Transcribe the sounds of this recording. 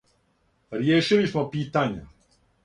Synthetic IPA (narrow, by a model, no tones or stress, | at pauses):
ɾjeːʃilismopiːt̪aɲa̰